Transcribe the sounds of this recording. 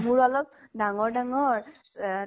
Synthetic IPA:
muɹɔlɔp̚daŋɔɹdaŋɔɹ

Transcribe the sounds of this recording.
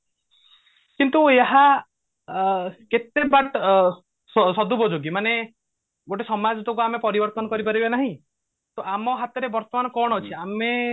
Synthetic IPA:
kint̪ueɦa | ket̪ebaʈ | sɔsɔd̪ubɔd͡ʒoɡimane | ɡoʈesɔmad͡ʒɔt̪okuamepɔɾibɔɾt̪ɔnɔkɔɾipaɾibenaɦĩ | t̪oamɔɦat̪ɔɾebɔɾt̪ɔmanɔkɔɽ̃ɔt͡ʃʰiame

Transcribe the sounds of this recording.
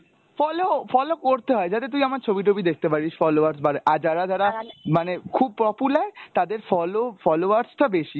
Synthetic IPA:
fɔlofɔlokoɾt̪eɦɔed͡ʑat̪et̪ujamaɾt͡ɕʰobiʈʰobid̪ek̚ʰt̪epaɾiʃfɔloaɾsbaɾeʔaɾd͡ʑaɾad͡ʑaɾamanekʰub̚pɔpulaɾt̪ad̪eɾfɔlofɔloaɾsʈ̪abeʃi

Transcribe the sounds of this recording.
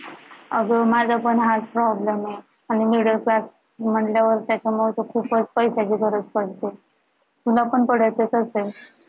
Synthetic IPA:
əɡəmad͡zʱapəɳɦalpɾɔblemje | añimiɽəɾklas | m̤əɳljaʋəɾt̪jat͡ɕamot̪ekʰuːpət͡spəjɕakikʰəɾət͡spəɽt̪e | t̪ulapəɳpəɽ̤əjt̪et̪əse

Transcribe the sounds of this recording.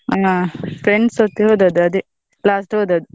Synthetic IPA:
ɐŋafɾeɳɖsot̪ːiɦoːd̪ɐd̪uɐd̪e | laːsʈɦoːd̪ɐd̪u

